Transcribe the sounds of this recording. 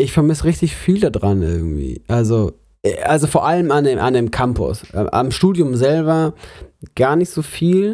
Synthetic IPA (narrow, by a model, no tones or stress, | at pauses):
ʔɪçfɛɐmɪsʁɪçtɪçfiːldadʁanʔɪ̰ɐɡŋ̩tv̥ḭːʔalzo | ʔɛʔalzofoːɐʔaləmandeʔa̰ndeːmkʰampʊ̰sʔʔa̰mʃtuːdjʊmzɛlbɐ | ɡ̥aːɐnɪçtz̥oːfiːl